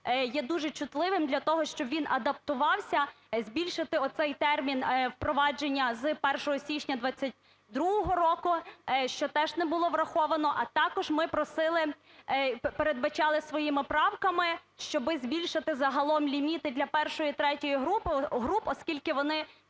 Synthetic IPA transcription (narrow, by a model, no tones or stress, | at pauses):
jɛd̪uʒɛt͡ʃʊt̪lˠɪʋɪmd̪lʲɐt̪ɔɦɔʃt͡ʃɔbʋʲinʔɐd̪ɐp̚t̪ʊʋɑwsʲɐ | zʲbʲilʲʃɪt̪ɪɔsɛjt̪ɛrmʲinwpɾɔʋɑd͡ʒenʲːɐzpɛrʃɔɦɔsʲit͡ʃnʲɐd̪ʋɑt͡sʲːɐt̚ʲ | d̪ɾuɦɔɦɔɾɔkʊʃt͡ʃɔt̪ɛʒnɛbʊlˠɔʋɾɐxɔʋɐnɔʔɐt̪ɑkɔʒmɪpɾɔsɪlˠɪ | peɾed̪̚bɐt͡ʃɑlˠɪsʋɔjimɪpɾɑwkɐmɪʃt͡ʃɔbɪzʲbʲilʲʃɪt̪ɪzɐɦɐlˠɔmlʲimʲit̪ɪd̪lʲɐpɛrʃɔjit̪ɾɛtʲɔjiɦɾupɪɦɾupɔskʲilʲkɪʋɔnɪ